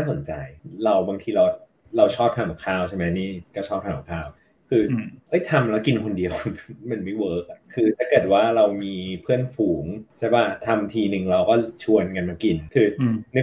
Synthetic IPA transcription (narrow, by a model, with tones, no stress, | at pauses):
naː˥˩so˩˦nt͡ɕa̰˧jɾa˧wbaː˧ŋt̪ʰiː˧ɾa˧w | ɾa˧wt͡ɕʰɔː˥˩p̚hʰa˧˥˩ɔ˨˩kʰaː˥˩wt͡ɕʰa˥˩ma˦˥jniː˥˩kɔː˥˩t͡ɕʰɔː˥˩p̚haː˧˩a˨˩kʰaː˥˩w | kʰɯː˧ʔɤ˦˥˩jt̪ʰa˧mlɛ˦˥wki˧nkʰo˧ndi˧əwma˧nma˦˥˩jwɤː˦˥k̚a˨˩kʰɯː˧t̪ʰaː˥˩kɤː˨˩t̪̚waː˥˩ɾa˧wmiː˧pʰɯ˥˩ənfuː˩˦ŋt͡ɕʰa˥˩jbaː˥˩t̪ʰa˧mt̪ʰiː˧nɯ˨˩ŋɾa˧wkɔː˥˩t͡ɕʰu˧ənka˧nma˧ki˧nkʰɯː˧nɯ˦˥